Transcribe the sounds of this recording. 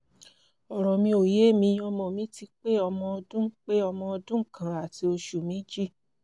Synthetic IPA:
ɔ˨ɾɔ˨mĩ˧o˨je˨˦˨mĩ˧˦ɔ˧mɔ̃˧˨mĩ˨˦ti˧k͡pe˦ɔ˧mɔ̃˧ɔ˧dũ˦k͡pe˦ɔ˧mɔ̃˧ɔ˧dũ˦kã˨a˨ti˧˦o˧ʃu˨mĩ˨˦d͡ʒi˦

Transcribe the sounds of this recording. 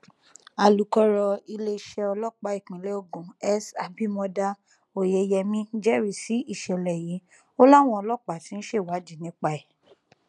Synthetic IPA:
a˨lu˨˦kɔ˧ɾɔ˧i˧le˧˦ʃɛ˧ɔ˧lɔ˦k͡pa˧˦i˨k͡pĩ˨le˨˦o˦˨ɡũ˨ɛ˦sa˨˧bi˦mɔ̃˧da˦ | o˨je˨˧jɛ˧mĩ˦d͡ʒɛ˦ɾi˨si˨˦i˦˨ʃɛ˨lɛ˨ji˨˦ | o˦la˦˨w̃ɔ̃˧ɔ˧lɔ˦˨k͡pa˨tĩ˨˦n̩˦ʃe˦˨wa˨˦d͡ʒi˦˨nĩ˨˦k͡pa˧ɛ˨

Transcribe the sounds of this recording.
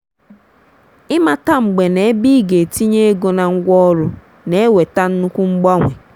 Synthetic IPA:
ɪ˦ma˨ta˦ŋ͡m̩˨ɡ͡be˨ne˨e˦bi˦ɡe˨ti˦ɲe˦e˦ɡo˨na˨ŋ̩˦ɡʷɔ˦ɾʊ˦ | ne˨e˦we˨ta˦n̩˦nu˦kʷu˦ŋ͡m̩˦ɡ͡bɔ˦ŋʷe˨

